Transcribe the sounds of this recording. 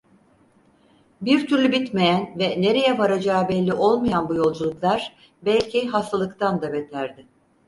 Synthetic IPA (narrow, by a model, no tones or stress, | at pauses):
biɾt̪ʰyɾlʲybit̪me̞jænvɛne̞ɾe̞jɛvaɾad͡ʒaːbɛlʲːiʔo̞lˠmajanbujo̞lˠd͡ʒulˠuklˠaɾ̥ | bælʲcʰiɦast̪ʰalˠɯkt̪ʰand̪abɛt̪ʰæɾd̪ɪ